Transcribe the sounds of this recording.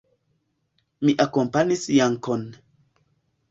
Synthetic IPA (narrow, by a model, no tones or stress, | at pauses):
miʔakompanisjaŋkon